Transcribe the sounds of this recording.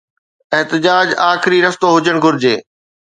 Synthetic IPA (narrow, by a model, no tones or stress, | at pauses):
ɪɦt̪ɪd͡ʑaːd͡ʑaːxɪɾiɾɐst̪oɦʊd͡ʑəɽ̃ɡʱʊɾɪd͡ʑeː